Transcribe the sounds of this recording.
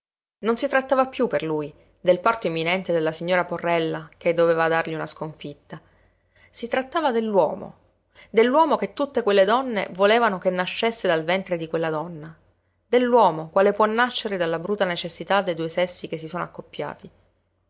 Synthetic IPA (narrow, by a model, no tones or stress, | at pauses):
nonsit̪ɾat̪ːaːvapːjupːerluːj | d̪elpart̪oemːinɛnt̪ed̪elːasiɲːoːɾaporːɛlːaked̪ːoveːvad̪arʎiunaskoɱfit̪ːa | sit̪ɾat̪ːaːvad̪elːwɔ̰ːmo̰ | d̪elːwɔːmoket̪ːut̪ːekwelːed̪ɔnːḛvoleːvanokenːaʃːesːed̪alvɛnt̪ɾed̪ikwelːad̪ɔnːa | d̪elːwɔːmokwaːlepwɔnːaʃːeɾed̪alːabɾuːt̪ːanet͡ʃesːit̪ad̪ːejd̪uːesɛsːik̟es̬ːisoːnoakːopːja̰ːt̪i